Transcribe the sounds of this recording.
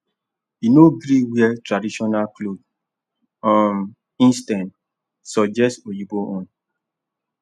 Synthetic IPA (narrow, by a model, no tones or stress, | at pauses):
inoɡɾiwiɛtɾadiʃɔnalklob̚ | ɔm | ĩnstãnt | sɔd͡ʒɛstojiboʔõn